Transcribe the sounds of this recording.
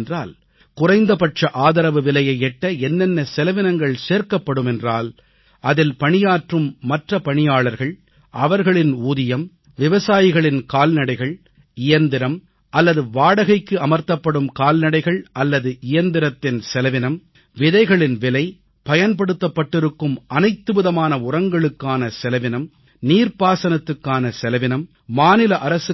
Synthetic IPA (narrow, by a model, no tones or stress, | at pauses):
ndraːl | kʊrɐɪnd̪ɐpɐʈrɐʔaːðɐɾɐʋɯʋɪlɐjɐɪɛʈːɐɛnːɛnːɐsɛlɐʋɪnɐŋɡɐɭseːɾkɐpːɐɽɯmɛndraːl | ʔɐðɪlpɐɳɪjaːʈrɯmːɐʈrɐpɐɳɪjaːɭɐɾɣɐɭ | ʔɐʋɐɾɣɐɭɪnuːðɪjɐm | ʋɪʋɐsaːjɪɣɐɭɪnkaːlnɐɽɐɪɣɐɭ | ɪjɐnd̪ɪɾɐm | ʔɐlːɐðɯʋaːɽɐɣɐɪkːɯɐmɐɾt̪ːɐpːɐɽɯmkaːlnɐɽɐɪɣɐɭʔɐlːɐðɯʔɪjɐnd̪ɪɾɐt̪ːɪnsɛlɐʋɪnɐm | ʋɪðɐɪɣɐɭɪnʋɪlɐɪ | pɐjɐnpɐɽɯt̪ːɐpːɐʈːɪɾɯkːɯmʔɐnɐɪt̪ːɯʋɪðɐmaːnɐʊrɐŋɡɐɭɯkːaːnɐsɛlɐʋɪnɐm | niːɾpaːsɐnɐt̪ːɯkːaːnɐsɛlɐʋɪnɐmː | aːnɪlɐʔɐɾɐsɯ